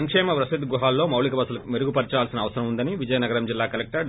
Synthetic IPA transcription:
ɐŋkʂɛːmɐpɾɐsid̪ɡuɦaːlːo̞ːmɐwlikɐbɐsulɐmeɾuɡupɐɾit͡ʃaːlsinɐːʋɐsɐɾɐmund̪ɐniʋid͡ʒɐjɐnɐɡɐɾɐmd͡ʒilːaːkɐlek̚ʈɐɾ

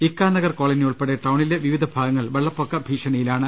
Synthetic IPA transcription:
ikːaːnːɐɣɐrkoːɭɐniuɭpeɽeʈɐwɳileʋiʋid̪ʱɐbʱaːɡɐŋːɐɭʋeɭːɐpːokːɐbʱiːʂɐnɐjilaːɳɨ

